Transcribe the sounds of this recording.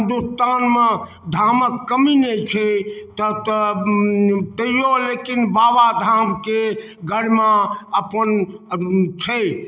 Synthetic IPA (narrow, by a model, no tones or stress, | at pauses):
d̪ust̪anme | d̪ʱaməkːəminɛt͡ʃʰɛt̪ət̪ | t̪əijolekinbabad̪ʱamke | ɡəɽmaəpən | t͡ʃʰɛ